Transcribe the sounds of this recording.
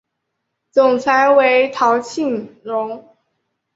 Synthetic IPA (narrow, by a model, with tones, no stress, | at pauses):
t͡sʊ˨˩ŋt͡sʰa˧˥ɪwe˧˥ɪt̪ʰɑ˧˥ʊt͡ɕʰi˥˩nɻʊ˧˥ŋ